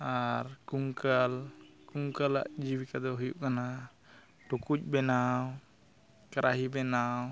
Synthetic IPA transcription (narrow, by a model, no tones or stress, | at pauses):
aɾkuŋkalkuŋkala̰ʔd͡ʒiwikad̪ɔɦujuʔkana | ʈukuc̚ˀbɛnaw | kaɾaɦibɛnaw